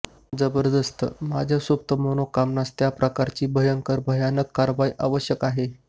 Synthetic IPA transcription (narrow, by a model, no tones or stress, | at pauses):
d͡zəbəɾd̪əst̪ʰə̰mad͡ʑʱjasup̚t̪əmonokamnast̪japɾəkaɾt͡ɕiːbʱəjəŋkəɾbʱəjanəkːaɾʋaiʔaʋəɕjəkaɦe